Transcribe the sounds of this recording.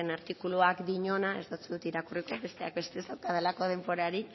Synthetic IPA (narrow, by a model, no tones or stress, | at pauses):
enaɾt̪ikuluakd̪iɲo̞nae̞zd̪at͡suðut̪iɾakuriko̞βe̞st̪e̞ak̚be̞st̪ezawt̪aðelako̞ðe̞mbo̞ɾaɾi